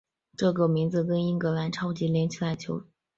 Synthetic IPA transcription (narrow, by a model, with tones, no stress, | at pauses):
ʈ͡ʂɤ˥˩kə˨˩mi˧˥ŋd͡zɹ̩˧kə˥ni˥ŋkɤ˧˥la˧˥nʈ͡ʂʰɑ˥ʊt͡ɕi˧˥ljɛ˧˥nt͡ɕʰi˥˩la˧˩ɪt͡ɕʰjo˧˥ʊ